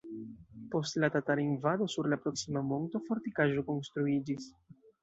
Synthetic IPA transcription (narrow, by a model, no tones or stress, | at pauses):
po̞stlatataɾinvado̞suɾlapɾo̞ksimamo̞ŋk̚to̞fo̞ɾtikaʒo̞ko̞nstɾuid͡ʒis